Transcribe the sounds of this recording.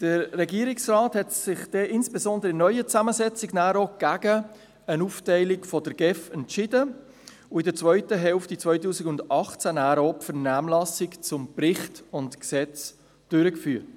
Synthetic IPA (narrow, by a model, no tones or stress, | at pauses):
d̥əɾːɛɡiəɾɪksraːthɛtsɪχd̥ɛʔɪnsb̥eszɔndəɾəɪnœʏət͡sæməzɛt͡sɪɡnæːɾoɡ̥æɡə | ənuːftɛɪlɪkfɔdəɾɡ̥ɛfɛntt͡ʃɪdə | ʊɪdət͡sʋœʏtəɦɛlftit͡svœʏtuːsɪɡʊndɑχt͡sænæːɾopfəɾnæːmlɑsɪkt͡sʊmprɪχtʊntksɛt͡s | d̥øɾəkfyːt